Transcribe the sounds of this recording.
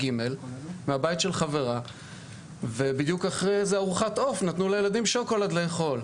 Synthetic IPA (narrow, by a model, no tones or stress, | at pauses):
ɡime̞lmeabajt̪ʃelχave̞ʁa | ve̞bid̪jukaχʁezeaʁuχato̞fnat̪nulajelad̪imʃokolad̪le̞ːχo̞l